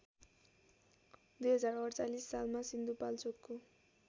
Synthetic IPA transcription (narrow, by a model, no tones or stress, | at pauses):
d̪ujɦʌd͡zaɾʌrt͡salisːalmasind̪upalt͡sokːo